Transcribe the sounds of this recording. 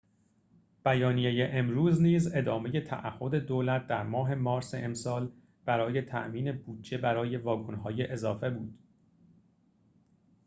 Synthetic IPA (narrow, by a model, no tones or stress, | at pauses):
b̥æjɒːnijejeʔemɾuːzniːze̞d̪ɒːme̞je̞t̪ʰæ̰ʔæhːo̞d̪e̞d̪oːlæt̪̚d̪æɾmɒːɦe̞mɒːɾseʔemsɒːl | b̥æɾɒːje̞t̪ʰæ̰ʔmiːne̞buːd̪̚d͡ʒe̞bæɾɒːje̞vɒːkʰonɦɒːjeʔezɒːfe̞buːd̪̥